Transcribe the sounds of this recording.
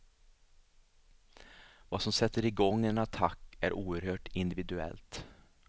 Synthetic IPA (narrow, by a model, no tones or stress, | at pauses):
vaːsɔmsɛt̪ːəɾɪɡɔŋːɛnat̪ʰakːæ̰ɾʔuːəɾhøːʈɪnd̪ɪvɪd̪ʉɛ̰lt̪